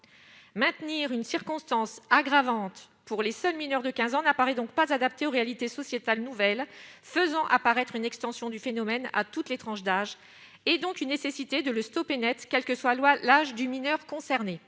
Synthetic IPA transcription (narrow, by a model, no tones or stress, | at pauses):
mɛ̃t̪niʁynsiʁkɔ̃st̪ɑ̃saɡʁavɑ̃t̪ | puʁlesœlminœʁd̪əkʲɛ̃zɑ̃napaʁɛd̪ɔ̃kpazad̪ap̚t̪eoʁealit̪esɔsjet̪alnuvɛlfəzɑ̃ʔapaʁɛt̪χynɛkst̪ɑ̃sjɔ̃d̪yfenɔmɛna̰t̪ut̪let̪χɑ̃ʃd̪aʒ | ɛd̪ɔ̃kynːesesit̪ed̪ələst̪ɔpenɛt̪χkʲɛlkəswalalaʒd̪yminœʁkɔ̃sɛʁne